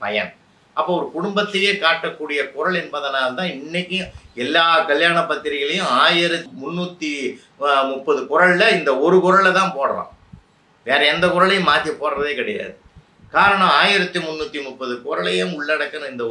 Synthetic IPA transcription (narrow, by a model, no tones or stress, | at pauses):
pɐjɐ̰n | ɐpːoːɔɾɯkʊɽʊmbɐt̪ːɐjeːkaːʈːɐkːuːɽɪjɐkʊɾɐɭɛnbɐðɐnaːlɐt̪ãːɪnːɐkʲːɯ̃ɛlːaːkɐɭjaːɳɐpːɐt̪ːɪɾɪɣɐɭɐjʊ̃aːjɪɾɐt̪mʊnːuːt̪ːi | mʊpːɐðɯkʊɾɐɭlɐɪnd̪ɐɔɾɯkʊɾɐɭɐt̪ãːpoːɽɐɾã̰ː | ʋeːɾɐɛnd̪ɐkʊɾɐɭɐjʊ̃maːt̪ɪjɐpoːɽɾɐðeːkɪɽɛja̰ːðɯ | kaːɾɐɳɐ̃maːjɪɾɐt̪ːɯmʊnːuːt̪ːimʊpːɐðɯkʊɾɐɭɐjʊ̃mʊɭːɐɽɐkːɐnɐɪnd̪ɐ